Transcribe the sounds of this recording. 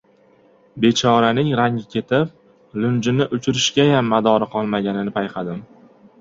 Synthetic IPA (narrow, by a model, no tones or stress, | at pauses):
be̞t͡ʃʰɒɾanɪŋɾaŋʲɪkʲʰe̞t̪ʰɪp̚ | lʊnd͡ʒɪnɪʔʊt͡ʃʰɪɾɪʃɡʲajamːad̪ɒɾɪqʰɒlˠmaɡʲanɪnɪpʰajqʰɑd̪ɪm